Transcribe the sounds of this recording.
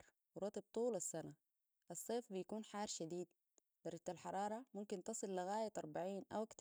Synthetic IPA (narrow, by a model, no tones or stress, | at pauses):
ɾ | wɾˤɑt̪ˤib̚t̪ˤuːlasːana | ʔɑsˤːeːfbijakuːnħɑːɾˤʃad̪iːd̪ | d̪̥ɑɾˤɑd͡ʒt̪alħɑɾˤɑːɾˤɑmumkint̪ɑsˤɨlːaɣaːjat̪ʔɑɾˤbaʕiːnʔawakt̪